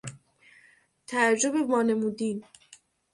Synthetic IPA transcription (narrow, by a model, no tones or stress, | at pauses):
t̪ʰæɾd͡ʒobemɒːne̞muːd̪iːn